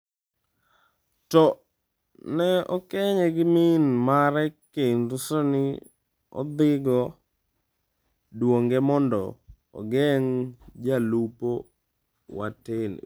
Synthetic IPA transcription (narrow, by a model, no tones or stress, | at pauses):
tɔ | nɛɔkɛɲeɡɪmɪnmaɾɛkːenɾusonɪ | ɔ̰d̪ɪɡɔ | dwoŋɡɛmɔndɔ̰ | ɔ̰ɡɛŋd͡ʒalupo | wa̰tɪl̰